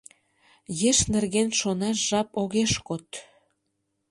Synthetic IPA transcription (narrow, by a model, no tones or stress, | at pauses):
jeʃnerɣenʃonɑʃʒɑpoɣeʃkot̪